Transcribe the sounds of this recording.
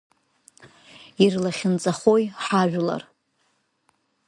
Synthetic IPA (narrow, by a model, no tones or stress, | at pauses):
irlaχʲɪnt͡sʼaχo̞jħaʒᶣla̰r